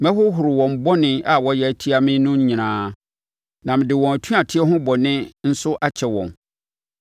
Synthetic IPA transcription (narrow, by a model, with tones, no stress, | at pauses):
mɛ̃˦hʊ˦ɦʊ˨ɾɪ˨wɔ̃˨m̩˨bɔ˦nɪ̃˨a˨wɔ˦jɛ˨æ˨tʰi˦a˦mɪ̃˦nʊ̃˦ɲ˦ɲĩ˨nãː˦ | nã˨m̃˨dɪ˨wɔ̃˨æ˨tʰũ˦a˨tʰɪ˦ɛ˦ɦʊ̃˦bɔ˨nɪ̃˦n̩˦sʊ˦ʔa˦t͡ɕʰɛ˨wɔ̰̃˨n